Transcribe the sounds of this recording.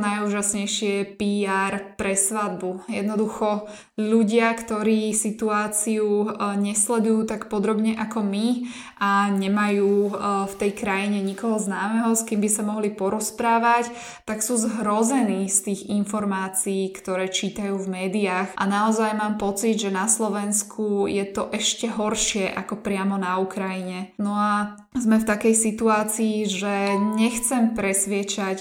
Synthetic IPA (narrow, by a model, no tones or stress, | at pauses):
najuːʒasɲɛjʃɪɛpiːaːɾpɾɛsʋad̪̚bujɛ̰d̪nɔd̪uxɔ | ʎuɟɪakt̪ɔɾiːsit̪uaːt͡siuɲɛslɛd̪ujuːt̪akpɔd̪ɾɔbɲɛʔakɔmi | aɲɛmajuːft̪ɛjkɾajiɲɛɲikɔɦɔznaːmɛɦɔskimbisamɔɦlipɔɾɔspɾaːʋac | t̪aksuːzɦɾɔzɛniːst̪iːɣinfɔɾmaːt͡siːkt̪ɔɾɛːt͡ʃiːt̪ajuːvmɛːd̪iaːxʔanaɔzajmaːmpɔt͡siɟʒɛnaslɔʋɛnskʰujɛt̪ɔʔɛʃcɛɦɔɾʃɪɛʔa̰kɔpɾɪamɔnaukɾajiɲɛnɔa | zmɛft̪akɛjsit̪uaːt͡siːʒɛɲɛxt͡sɛmpɾɛsʋɪɛt͡ʃac